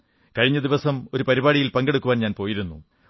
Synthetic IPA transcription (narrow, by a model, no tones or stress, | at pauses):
kɐɻiɲːɐd̪iʋɐsɐmo̞ɾupɐɾibaːɽijilpɐŋɡe̞ɽukːuʋaːnɲaːnpo̞ːjiɾunːu